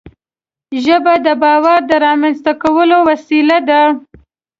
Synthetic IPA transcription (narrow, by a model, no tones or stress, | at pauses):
ʒəbad̪əbɑwaɾd̪əɾɑmanst̪akawəlowasilad̪a